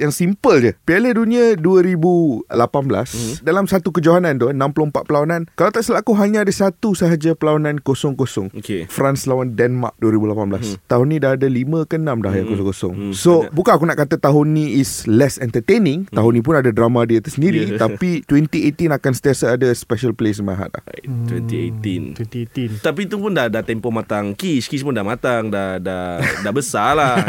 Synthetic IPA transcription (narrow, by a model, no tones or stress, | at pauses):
jaŋsimpəld͡ʒəpialəduniəduəɾibulapanbla̰sdalamsat̪ukəd͡ʒaɦanãnt̪unãmpulompat̪ʔ̪̚pəlawanãnkalawt̪aʔsəlakuɦaɲaadasat̪usəɦad͡ʒapəlawanãnkosɔŋkosɔŋkefɾanslawandɛnma̰k̚duəɾibulapanblast̪aɦʊnːĩdaɦadalimə̃kənãmda̰hjaŋkosɔŋkosɔ̰ŋsobukanakunaʔkat̪ət̪aɦunːĩːslɛsɛnt̪ət̪enĩŋt̪aɦunĩp̬unadadɾamadiət̪əsəndiɾitt̪apit̪wɛnt̪iet̪inakansə̥t̪iasaːdəspɛʃəlples̬maɦa̰t̪̚la̰t̪wɛnt̪iḛt̪in | t̪apit̪upundahdat̪ɛmpomat̪aŋkiskispundamat̪aŋdadadaʔbəsala